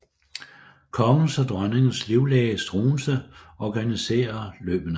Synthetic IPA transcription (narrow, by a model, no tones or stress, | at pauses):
kʰɒ̽ŋl̩sɒd̥ʁɶneŋn̩sliʊlɛːɪəsd̥ʁo̝ːnsəɒɡ̥ænise̝̰ːɐlø̰ːb̥ənə